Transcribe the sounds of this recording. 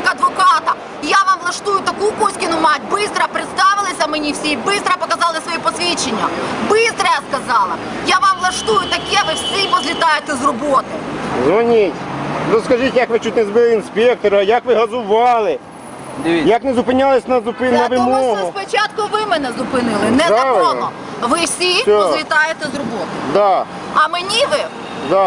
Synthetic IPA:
kɐd̪ʋɔkɑt̪ɐ | jaʋɑmlˠɐʃt̪ujʊt̪ɐkupɔsʲkʲɪnʊmɑtʲbɪst̪ɾɐpɾɪt̪st̪ɑʋɪlˠɐsʲɐmenʲiwsʲibɪst̪ɾɐpɔkɐzɑlˠɪsʋɔjɛpɔsʲʋʲit͡ʃenʲːɐbɪst̪ɾɐjaskɐzɑlˠɐ | jaʋɑmlˠɐʃt̪ujʊt̪ɐkɛʋɪwsʲipɔzʲlʲit̪ɑjʊt̪ɛzrɔbɔt̪ɪzʋɔnʲitʲzɔskɐʒitʲjɐkʋɪt͡ʃ̪ut̪̚ʲnɛzbɪlˠɪinspʲɛk̚t̪ɔɾɐjɐkʋɪɦɐzʊʋɑlˠɪ | d̪jɐknɛzʊpɪnʲalˠɪsʲnɐzʊpɪnɐʋɪmɔɦʊspɔt͡ʃat̪kʊʋɪmɛnɛzʊpɪnɪlˠɪnɛɐɔɔ | ʋɪwsʲisɔɔzlʲit̪ɑjet̪ɛzrɔbɔt̪ɪd̪ɑ | ɐmenʲiʋɪ | d̪ɑ

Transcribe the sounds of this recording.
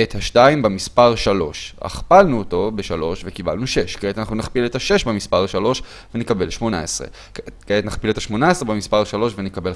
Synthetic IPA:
ethaʃtaimbemispaʁʃalo̞ʃa̰χpalnuoto̞beʃalo̞ʃvekiba̰lnuʃe̞ʃkeetanaχnunaχpiletaʃe̞ʃbemispaʁʃalo̞ʃ | venekabe̞lʃmo̞na̰esʁḛ | ketnaχpilethaʃmo̞naesʁebemispaʁʃalo̞ʃvenekabe̞l

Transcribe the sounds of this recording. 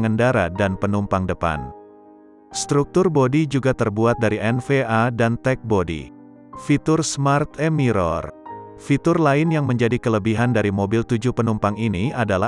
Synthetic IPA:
ŋəndaɾadanpənumpaŋdəpa̰n | st̪ɾuk̚t̪ʊrbodid͡ʒuɡat̪ərbuat̪̚daɾiʔɛnfeʔadant̪ɛk̚bodḭ | fit̪ʊrsmart̪emiɾɔ̰r | fit̪ʊrlaɪnjaŋməɲd͡ʒadikələbiɦandaɾimobilt̪ud͡ʒupənumpaŋiniadala

